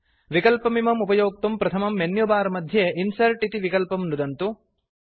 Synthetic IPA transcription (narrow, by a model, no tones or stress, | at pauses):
ʋikɐlpɐmimɐmupɐjoːk̚t̪umpɾɐt̪ʰɐmɐmːenjubaːɾɐmɐd̪ʱjeʔinsɐɾʈit̪iʋikɐlpɐmnud̪ɐnt̪u